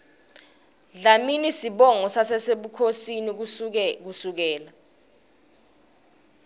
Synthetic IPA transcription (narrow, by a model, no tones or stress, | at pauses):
ɮaminisiɓɔŋɔsasɛseɓukʰosinik̬usuk̬ɛːla